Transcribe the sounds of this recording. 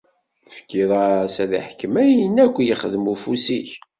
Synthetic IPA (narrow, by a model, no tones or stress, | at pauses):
θəfkiðˤɑsæðḭħkəmæjənːækʷːjəχəðəmufusiç